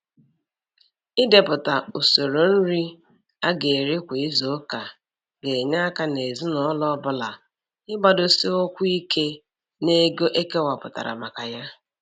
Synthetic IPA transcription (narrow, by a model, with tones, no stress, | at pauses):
ɪ˦de˨pʊ˨ta˨u˨so˨ɾo˨n̩˦ɾi˦ | a˦ɡe˨ɾi˦kʷe˨i˦zo˨˦ka˨ | ɡe˨ɲa˦a˦ka˦ne˨zi˦nɔ˨˦lɔ˦bʊ˦la˨ | ɪ˦ba˦dʊ˨si˦o˦kʷʊ˦i˦kʰe˦ | ne˦ɡo˦ʔe˦ke˦wa˨pʊ˨ta̰˨ɾa̰˨ma˨ka˨ja˦